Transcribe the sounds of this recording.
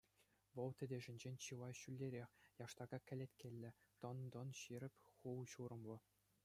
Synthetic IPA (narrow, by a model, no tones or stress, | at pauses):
ʋɤ̆lˠt̪ʲɘ̆dʲĕʐɘ̆nʲd͡ʑenʲt͡ɕɯlˠɑɕylʲːeɾʲexʲjɑʂt̪ɑɡɑkʲɘ̆lʲet̪ʲkʲelʲːɘ̆t̪ɤ̆nd̪ɤ̆nɕiɾʲɘ̆pʲχulɕuɾɤ̆mlɤ̆